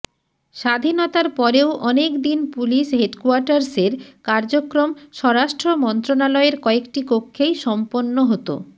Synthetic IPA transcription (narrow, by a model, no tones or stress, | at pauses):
ʃad̪ʱinot̪aɾpɔɾewʔɔnekd̪inpuliʃɦeɖkuaɾʈaɾseɾkaɾd͡ʑokɾomʃɔɾaʃʈɾomɔnt̪ɾonalɔeɾkɔekʈikokʰːejʃɔmponːoɦot̪o̰